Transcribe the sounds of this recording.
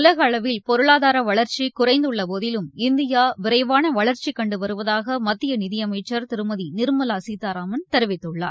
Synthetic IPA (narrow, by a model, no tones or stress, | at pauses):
ʊlɐɣɐːɭɐʋɪlpɔɾɯɭaːðaːɾɐʋɐɭɐɾt͡ʃikʊrɐɪnd̪ɯɭːɐpoːðɪlɯmɪnd̪ɪjaːʋɪɾɐɪʋaːnɐʋɐɭɐɾt͡ʃikɐɳɖɯʋɐɾɯʋɐðaːɣɐmɐt̪ːɪjɐnɪðɪjɐmɐɪt͡ʃːɐɾt̪ɪɾɯmɐðinɪɾmɐlasiːt̪ːaːɾaːmɐnt̪ɛɾɯʋɪt̪ːɯɭːa̰ːɾ